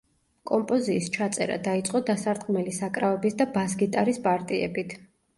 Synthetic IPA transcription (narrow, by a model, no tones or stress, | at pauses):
kʼɔmpʼɔziːst͡ʃʰat̪sʼɛ̰ɾa̰d̪ait̪sʼqʼɔd̪asaɾd̪ɡmɛlisakʼɾavɛbisd̪abasɡit̪ʼaɾispʼaɾt̪ʼiɛ̰bit̪ʰ